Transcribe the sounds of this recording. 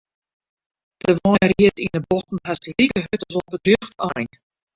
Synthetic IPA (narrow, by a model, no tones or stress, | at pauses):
d̥əʋɔjriətinəbɔtn̩ɦasrikəɦøtɔsɔbədrøxtajn